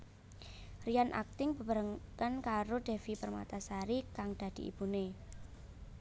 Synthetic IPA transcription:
rijanʔa̰k̚t̪ɪŋb̥ə̤pəɾəŋkankaɾoɖ̪̥e̤fipərma̰t̪asaɾikaŋd̪̥a̤d̪̥i̤ʔḭb̥une

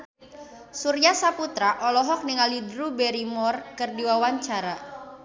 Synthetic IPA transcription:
surjasaput̪ɾaʔɔlɔɦɔk̚niŋalidɾubɛɾimɔrkɨrdiwawaɲt͡ʃaɾa

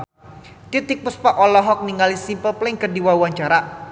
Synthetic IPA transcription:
t̪it̪ik̚puspaʔɔlɔɦɔk̚niŋalisimpəlplɪŋkərdiwawaɲt͡ʃaɾa

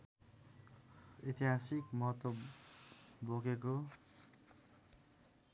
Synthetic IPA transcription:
it̪iɦasikmʌɦʌt̪wʌ | bokeko

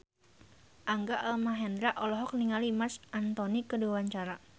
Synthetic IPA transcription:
ʔaŋɡaʔalmaɦɛnd̪ɾaʔɔlɔɦɔk̚niŋalimasant̪ɔnikəduwaɲt͡ʃaɾa

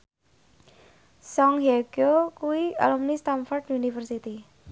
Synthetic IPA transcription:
sɔŋɦeɡ̥okuwia̰lumnist̪anfɔrɖunifərsit̪i

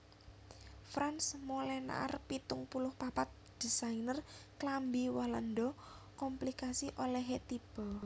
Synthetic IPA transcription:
fɾansmolɛna̰ʔrpit̪ʊŋpulʊhpapat̪̚d̪̥isainərklambiwalandɔ | kɔmplikasiʔolɛɦet̪ib̥ɔ

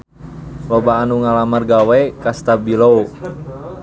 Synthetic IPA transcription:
lɔbaːnuŋalamarɡawɛkast̪abilou

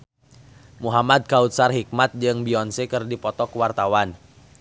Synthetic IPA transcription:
muɦamad̪̚kaut̪̚sarɦik̚mat̪̚d͡ʒɨŋbiɔnsekɨrdipɔt̪ɔkwart̪awan

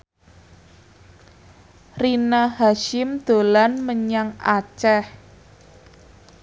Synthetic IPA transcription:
rinahaʃɪmd̪̥o̤lanməɲaŋʔat͡ʃɛh

